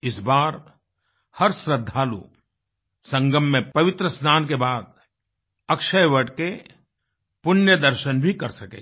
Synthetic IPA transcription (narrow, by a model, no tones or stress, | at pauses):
ɪsbaːɾ | hɐɾsɾəd̪ʱːalo̰ːp̚ | sə̃ŋɡəmːẽppɐʋɪt̪ɾəsnaːnkebaːd̪ | ɐkʃəjʋəʈke | pʊnjəd̪əɾʃənbʱikɐɾsɐkḛː